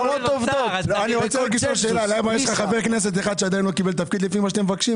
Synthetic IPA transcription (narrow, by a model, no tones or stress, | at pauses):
lot̪ovt̪ovaniʁot͡seleɡiʃoʃeːlalabajeʃlaχaveʁkne̞s̬e̞t̪eχad̪ʃead̪ainlokibelt̪afkid̪lifimaʃat̪emevakʃi